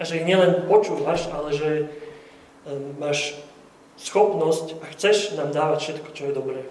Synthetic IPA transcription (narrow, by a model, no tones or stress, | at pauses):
ʔaʒɛjiɲɪɛlɛnpɔt͡ʃuːʋaʃalɛʒɛ | maːʃ | sxɔpnɔscaxt͡sɛʃnaːmd̪aːʋacfʃɛt̪kɔ̥t͡ʃɔjɛd̪ɔbɾɛː